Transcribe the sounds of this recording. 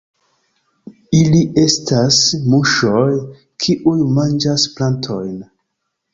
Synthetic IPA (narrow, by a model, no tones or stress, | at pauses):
iliʔe̞stasmuʃo̞j | kʰiʔujmand͡ʒasplantʰo̞̰jn